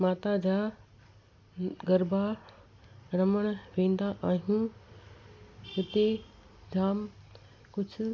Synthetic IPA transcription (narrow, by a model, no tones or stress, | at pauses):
maːt̪ad͡ʑaː | ɡɐɾba | ɾɐməɽ̃ʋẽːn̆d̪aʔaːɦijũ | ɪt̪e | d͡ʑʱaːm | kʊd͡ʑʱʰʊ